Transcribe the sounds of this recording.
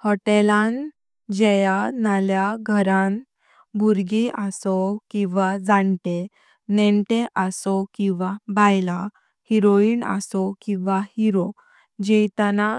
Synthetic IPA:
hɔʈɛlãn | d͡ʑɛjanaljaɡʱəɾan | buɾɡiʔasɔkĩʋad͡zaɳʈe | nɛɳʈeʔəsɔkĩʋabajla | hiɾoiːna̰sɔkĩʋahiɾo | d͡ʑɛjt̪ana

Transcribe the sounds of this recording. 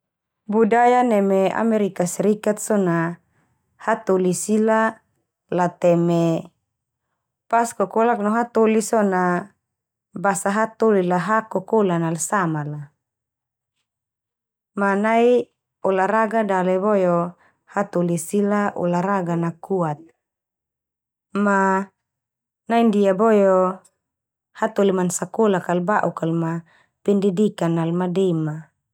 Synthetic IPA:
budajanɛmea̰meɾikasiɾikat̪̚sɔna | hat̪olisila | lat̪ɛme | paskɔkolak̚nɔɦat̪olisɔna | basaɦat̪olilaɦakɔkolanalsamala | manai | ɔlaɾaɡadalɛbɔjɔ | hat̪olisilaʔɔ̰laɾaɡanakuat̪̚ | ma | naindiabɔjɔ | hat̪olimansakolakalbaʔukalma | pɛndidikanalmadema

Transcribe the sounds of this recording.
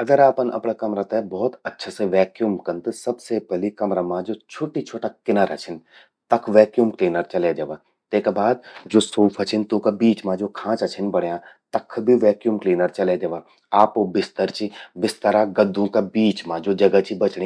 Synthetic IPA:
ɐɡəɾaːpənʔɐ̰pɽakɐmɾat̪ebɔːt̪ɐtːʃʰaseʋɛːkjumkɐnt̪ɨsɐbsepɛɦlikɐmɾamãd͡ʒoːt͡ʃʰoːʈit͡ʃʰoːʈakɪnəɾɦɐt͡ʃʰɪn | t̪ɐkʰʋɛːkjuːmkliːnəɾt͡ʃɐled͡ʒɐʋa | t̪eːkabaːd̪d͡ʒoːsoːfʰɐt͡ʃʰɪnt̪ũkabiːt͡ʃmãd͡ʒoːkʰãːt͡ʃɐt͡ʃʰɪnbɐɽ̤jãt̪ɐkʰbʱiʋɛːkjuːmkliːnəɾt͡ʃɐled͡ʒɐʋaː | aːpobɪst̪əɾt͡ʃibɪst̪əɾaɡɐd̪ʱːõkabiːt͡ʃmãd͡ʒoːd͡ʒɐɡət͡ʃibɐt͡ʃɽi

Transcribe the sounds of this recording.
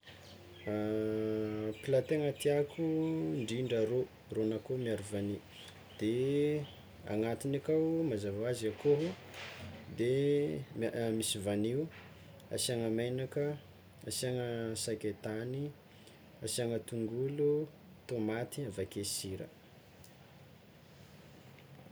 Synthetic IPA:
pilat̪eŋat̪iakʰuɳɖ͡ʐiɳɖ͡ʐəɾo | ronakomiaɾuvani | d̪̥e | a̰ŋat̪inakawmazavaaziakoɦu | d̪e | misivaniu | a̰siaŋəmajnakə | asiaŋəsaket̪ani | asiaŋət̪uŋɡulu | t̪omat̪iavakesiɾə̰

